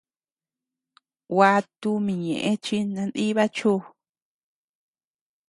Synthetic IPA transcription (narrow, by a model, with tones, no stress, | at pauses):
wa˧t̪u˧mĩ˨ɲḛ̃˨ʔẽ˦t͡ʃi˦nã˧nd̪i˦βa˦t͡ʃu˦